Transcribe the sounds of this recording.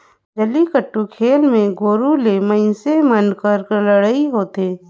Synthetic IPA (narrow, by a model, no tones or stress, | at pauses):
d͡ʒəlikəʈːukʰeːlmẽɡoːɾuleməɪnsemənkəɾkələɽaiɦoːt̪eː